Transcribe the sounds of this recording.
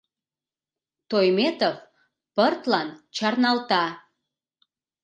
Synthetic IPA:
t̪ojmet̪ov | pərt̪lɑnt͡ɕɑrnɑlt̪ɑ

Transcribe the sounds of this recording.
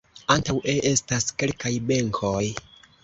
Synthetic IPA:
antawʔe̞ʔestaske̞lkajbe̞ŋkʰoj

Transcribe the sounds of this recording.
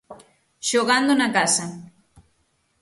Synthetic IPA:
ʃoɣand̪onakasa

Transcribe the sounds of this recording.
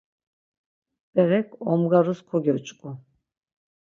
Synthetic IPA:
b̥ɛɾɛkʰɔmɡaɾuskʰɔɡʲɔt͡ʃʼkʼu

